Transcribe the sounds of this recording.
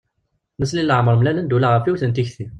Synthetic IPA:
nəslilːəʕməɾˤmlælənd̪ulæʁəfiwθənt̪içθi

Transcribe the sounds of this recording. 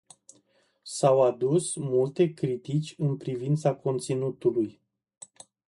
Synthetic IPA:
sawad̪usmult̪e̞kɾit̪it͡ʃʲɨnpɾivint̪sako̞nt̪sinut̪uluj

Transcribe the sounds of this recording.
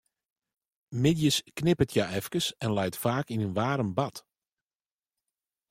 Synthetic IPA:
mɪdjəsknɪpətʰjaɛfkəsɛnlɛjtfaːkinynʋaːɾəmbɑt

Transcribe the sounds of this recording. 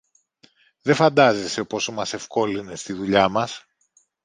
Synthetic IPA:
ðe̞fɐnd̪ɐzeseopo̞somɐse̞fko̞line̞st̪iðuʎɐmɐs

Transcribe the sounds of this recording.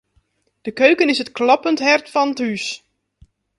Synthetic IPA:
d̥əkøɥkənɪsətklɑpəntɦɛrtfɔnəthys

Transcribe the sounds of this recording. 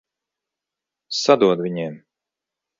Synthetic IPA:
sad̪uɔd̪vʲiɲim

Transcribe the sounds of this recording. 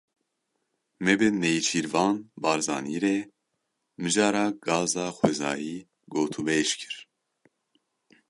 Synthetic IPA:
mɛbenejt͡ʃʰiːɾvɑːnbɑːɾzɑːniːɾeː | mɨʒɑːɾɑːɡɑːzɑːxwɛzɑːjiː | ɡoːt̪ʰubeʃkʰɨ̥ɾ

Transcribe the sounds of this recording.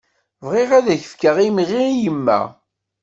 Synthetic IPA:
vʁeʁæðæçəfkəʁimiʁijəmːæ̰

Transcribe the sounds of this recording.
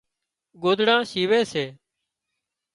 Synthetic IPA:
ɡoːd̪ɽãːsiːʋeːseː

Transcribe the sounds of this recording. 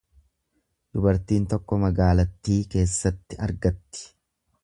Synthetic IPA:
d̪̥ʊbɐɾt̪iːnt̪ɔkːɔmɐɡaːlɐt̪ːiːke̞ːsːɐt̪ːɪɐɾɡɐt̪ːɪ̥

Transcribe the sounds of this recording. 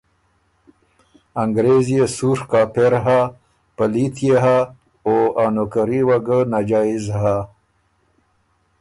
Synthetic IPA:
aŋɡɾezijesuɾkaːpeɾɦa | pəlit̪ʰjeɦa | oaːnokəɾiwaɡənad͡ʒaːizɦa

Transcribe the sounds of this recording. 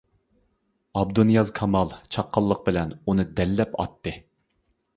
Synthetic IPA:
ɑb̚d̪unjɑzkʰɑmɑlˠt͡ʃʰɑqʰːɑlˠːəq̚bɪlɛnunɨd̪ɛlːɛpɑ̰t̪ːɨ

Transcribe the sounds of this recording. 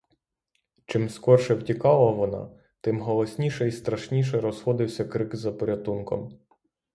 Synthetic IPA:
t͡ʃɪmskɔrʃɛwtʲikɑlˠɐʋɔnɑ̰ | t̪ɪmɦɔlˠɔsʲnʲiʃɛist̪ɾɐʃnʲiʃ̬ɛɾɔsxɔd̪ɪwsʲɐkɾɪkzɐpɔɾʲɐt̪unkɔ̰m

